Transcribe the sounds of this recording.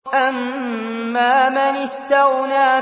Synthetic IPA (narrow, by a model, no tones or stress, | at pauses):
ʔamː | aːmanɪst̪awnaː